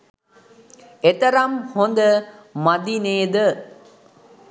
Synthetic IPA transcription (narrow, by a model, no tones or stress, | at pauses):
et̪əɾamhond̪əmad̪ineːd̪ə